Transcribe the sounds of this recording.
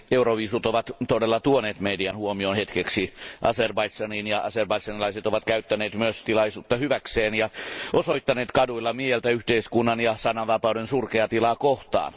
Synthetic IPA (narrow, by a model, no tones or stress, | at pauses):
euroʋiːsut̪oʋɑt̪t̪odelːɑt̪uoneːt̪mediɑnhuomionhet̪keksiʔɑ̰serbɑisɑninjɑʔɑserbɑisɑnilɑiset̪oʋɑt̪̚kæyt̪ːæneːt̪myøst̪ilɑisuːt̪ːɑhyʋækseːnjɑʔosoit̪ːɑneːt̪kɑduilːɑmiehelt̪æyht̪eiskunːɑnjɑsɑnːɑʋɑpɑudensurkeɑt̪ilɑːkoht̪ɑ̰ːn